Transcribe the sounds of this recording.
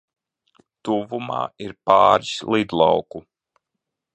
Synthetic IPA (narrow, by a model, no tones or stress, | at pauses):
t̪uvuma̰ːiɾpaːɾslˠid̪lˠa̰wku